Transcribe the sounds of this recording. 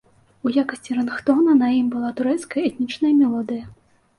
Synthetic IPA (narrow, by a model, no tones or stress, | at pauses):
ujakɐsʲt͡sʲiɾɐnxt̪ɔnɐnɐjimbɨlˠat̪uɾɛt̪skɐjɐɛt̪ʲnʲit͡ʂnɐjɐmʲɛlˠɔd̪ɨjɐ